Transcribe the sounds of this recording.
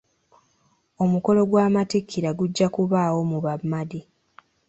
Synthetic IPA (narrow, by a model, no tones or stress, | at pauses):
o̞muko̞lo̞ɡwaːmatikʰːiɾaɡuɟːakuβaːwo̞muβamːadi